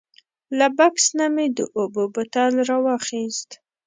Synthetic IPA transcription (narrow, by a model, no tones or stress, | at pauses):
labaksnamed̪ə̰ʔobobət̪alɾɑwɑxist̪